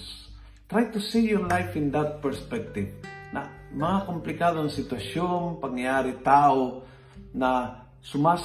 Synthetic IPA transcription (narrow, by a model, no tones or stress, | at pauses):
s | t̪ɾajt̪usijɔɹlajfɪ̃nd̪at̪̚pɛɹspɛk̚t̪ɪvnɐ̰mɐŋakomplɪkaːd̪oɐŋsɪt̪wɐʃjonpɐŋjaaːɾit̪aːo | nɐ | sʊmas